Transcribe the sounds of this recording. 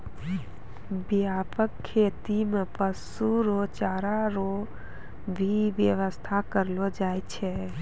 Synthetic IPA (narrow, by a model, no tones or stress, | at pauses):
biaːpəkʰːeːt̪imepəsuɾot͡ʃaːɾaɾo | bʱibjəʋəst̪ʰakəɾlod͡ʒaːjt͡ʃʰɛ